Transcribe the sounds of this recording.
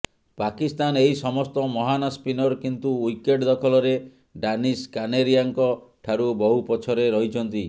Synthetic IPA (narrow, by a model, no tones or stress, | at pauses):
pakist̪aneɦisɔmɔst̪ɔmɔɦanaspinɔɾkint̪uujkeʈd̪ɔkʰɔlɔɾe | ɖaniskaneɾijaŋkɔʈʰaɾubɔɦupɔt͡ʃʰɔɾeɾɔɦit͡ʃʰɔnt̪i